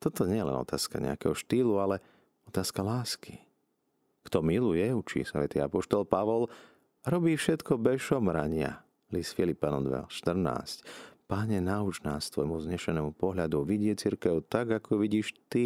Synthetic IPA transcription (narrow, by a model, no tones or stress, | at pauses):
t̪ɔt̪ɔɲɛɛjɛlɛ̰nɔ̰t̪ʰaːska̰ɲɛ̰a̰kɛ̰ɦɔʃt̪iːlualɛ | ɔt̪aːskalaːski | kt̪ɔmilujɛut͡ʃḭːsaʋɛt̪iːapɔʃt̪ɔlpaʋɔl | ɾɔbiːfʃɛt̪kɔbɛʃɔmɾaɲɪa̰ | liːsfilipanɔ̰nd̪ʋɛ̰lʃt̪r̩na̰ːscpaɲɛnaut͡ʃnaːst̪ʋɔjmuzɲɛʃɛnɛːmupɔɦʎad̪uʋiɟɪɛt͡siɾkɛʊt̪aɡakʰɔʋiɟiːʃt̪i